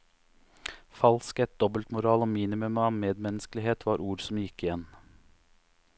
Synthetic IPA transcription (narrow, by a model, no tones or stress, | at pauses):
fɑlskɛt̪̚d̪ɔbəlt̪mʊɾɑːloːmiːnɪmʉmɑːʋmeːd̪mɛnəsklɪɦeːt̪ʰʋɑːɾʔuːɾsɔmjɪkːɪjɛnː